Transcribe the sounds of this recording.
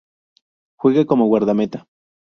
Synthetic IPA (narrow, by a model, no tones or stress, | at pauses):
xʷiɣakomoɣwaɾðamet̪ḁ